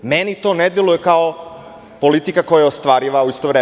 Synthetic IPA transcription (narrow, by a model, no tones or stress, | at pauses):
menit̪o̞ned̪jelujekao | po̞lit̪ikakojajaost̪ʋaːɾiʋauist̪oʋɾeː